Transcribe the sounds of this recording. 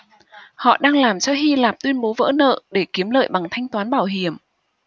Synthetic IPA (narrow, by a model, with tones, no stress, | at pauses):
hɔ̰˧˨ɗaː˧ŋlaː˨˩mt͡ɕɔ˧ɦi˧laː˨˩p̚t̪wi˧ənɓo˨˦və̰ː˧˥nə̰ː˧˨ɗe˧˩ki˨˦əmlə̰ː˧˨jɓa˨˩ŋt̪ʰa˧jŋ̟t̪waː˨˦nɓaː˧˩wɦi˧˩əm